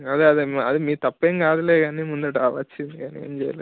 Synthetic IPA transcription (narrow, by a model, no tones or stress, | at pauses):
ɐd̪eɐd̪iɐd̪imiːt̪ɐpːeːŋkaːd̪uleːɡaːnimund̪ɐʈaːʋɐt͡ʃːind̪iɡɐniḛːmd͡ʒɛja̰lḛ